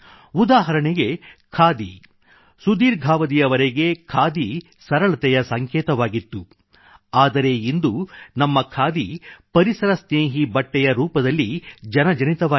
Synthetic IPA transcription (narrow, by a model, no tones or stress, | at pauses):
ud̪aːɦɐɾɐɳiɡe̞kʰaːd̪ḭ | sud̪iːɾɡʱaːʋɐd̪ijɐʋɐɾeɡe̞kʰaːd̪i | sɐɾɐɭɐt̪ɛjɐsɐŋkɛːt̪ɐʋaːɡit̪ːu | aːd̪ɐɾe̞ind̪unɐmːɐkʰaːd̪ipɐɾisɐɾɐsneːɦibɐʈːɛjɐɾuːpɐd̪ɐlːid͡ʒɐnɐd͡ʒɐnit̪ɐʋaː